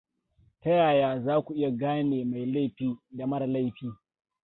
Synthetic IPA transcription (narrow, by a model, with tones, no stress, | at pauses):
tɐ˦jaː˨jaː˨zaː˦kʷu˨ʔɪ˦ja˨ɡaː˦neː˨ma˨jla˦jɸiː˦da˨mɐ˦ɽa˨la˦jɸiː˦